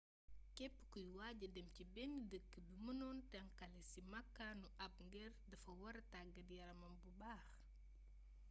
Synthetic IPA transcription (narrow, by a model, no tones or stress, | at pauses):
kɛpːə̥kujwaːɟɐdɛmcibɛnidəkːəbimənɔːntɐŋkɐlɛsimɐkːanuʔɐp̚ŋɡɛrdɐfɐwɐɾɐtaɡɐdjɐɾɐmɐmbubaːx